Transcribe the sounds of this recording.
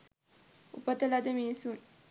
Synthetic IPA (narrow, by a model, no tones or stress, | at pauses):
ṵpɐt̪ɐlad̪ɐmeːsun